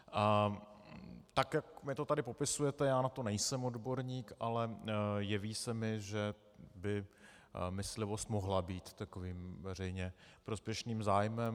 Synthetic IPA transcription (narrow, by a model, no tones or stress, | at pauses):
t̪akjakmɪt̪ot̪adɪpo̞pɪsujɛt̪ɛjaːnat̪o̞nɛjsɛmodbo̞ɾɲiːkʔalɛjɛviːsɛmɪʒɛ | bɪ | mɪslɪvo̞st̪moɦlabiːt̪ːakoviːmvɛrɛjɲɛpɾospjɛʃniːmzaːjmɛm